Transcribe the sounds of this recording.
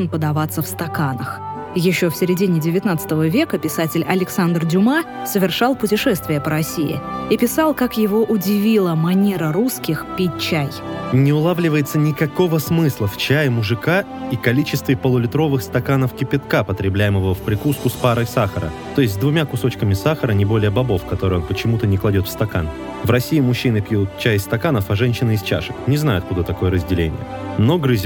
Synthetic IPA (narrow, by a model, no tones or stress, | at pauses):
npəd̪ɐvat̪sːəfst̪ɐkanəx | jɪɕːofsʲɪɾʲɪdʲinʲɪdʲɪvʲɪt̪nat̪sə̥t̪əvəvʲe̞kəpʲɪsatʲɪlʲɐlʲɪksand̪rdʲʊma | səvʲɪrʂɑlˠpʊtʲɪʂɛst̪vʲɪjəpəɾɐsʲiɪ̰ipʲɪsɑlˠkakjɪvoʔʊdʲɪvʲilˠəmɐnʲeɾəɾuskʲɪxpʲit̚ʲt͡ɕæjnʲɪʊlˠavlʲɪvəjɪt̪sənʲɪkɐko̞vəsmɨslˠəft͡ɕæjɪmʊʐɨka | ikɐlʲit͡ɕɪst̪vʲɪpəlˠəlʲɪt̪ɾo̞vɨxst̪ɐkanəfkʲɪpʲɪt̪kapət̪ɾʲɪblʲæjɪməvəfpɾʲɪkuskʊspaɾəjsaxəɾə̰ | t̪o̞jɪsʲtʲzd̪vʊmʲakʊso̞t͡ɕkəmʲɪsaxəɾənʲɪbo̞lʲɪjəbɐbo̞fkɐt̪o̞ɾɨjonpət͡ɕɪmut̪ənʲɪklˠɐdʲo̞t̪fst̪ɐka̰n | vrɐsʲiɪmʊɕːinɨpjut̪̚t͡ɕæjɪst̪ɐkanəfɐʐɛnʲɕɪnəɪst͡ɕa̰ʂɨknʲɪznajʊɐt̪̚kud̪ət̪ɐko̞jəɾəzʲdʲɪlʲḛnʲɪ̰jə̰ | no̞ɡɾɨzʲ